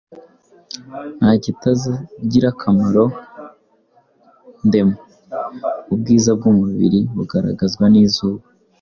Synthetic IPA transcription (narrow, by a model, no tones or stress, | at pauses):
nhaːɟitazɟiɾakʰamaɾo̞ | nde̞ma | ub̚ɡiːzab̚ɡumuβḭɾiβuɡaɾa̰ɡazɡwaniːzuːβa